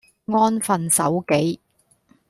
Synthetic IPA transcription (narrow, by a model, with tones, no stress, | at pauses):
ŋɔː˥nfɐ˨nsɐ̰˨˥wke˨˥j